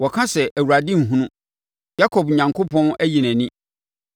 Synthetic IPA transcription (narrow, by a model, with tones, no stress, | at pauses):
wɔ˨kʰã˦sɛ˨ʔæ˨wu˨ɾa˨dɪ̃˦ŋ̩˨ɦũ˦nʊ̃˦ | ja˦kʰɔ˨bɲã˨ŋkʰo˦pʰɔ̃˦næ˦ji˨næ̃˨nĩ˦